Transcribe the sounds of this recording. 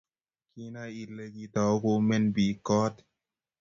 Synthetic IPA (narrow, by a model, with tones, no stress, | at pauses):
ki˦na˦i˨le˧ki˧tɔ˨˦ko˧me˦nbi˨kɔ˦t